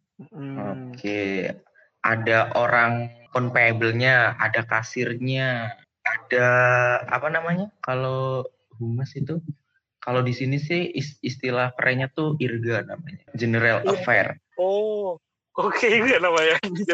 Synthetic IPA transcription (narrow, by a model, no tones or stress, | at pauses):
okʰe | ʔadaʔoɾaŋkɔnpabəlɲaa̰dakasɪrɲa | adaa̰panamaɲakalo | ɦuməsit̪u | kalodisinisɪhisist̪ilahkəɾʔɛɲat̪uirɡana̰maɲad͡ʒənəɾaləfɛr | o | okʰeɡanamaɲa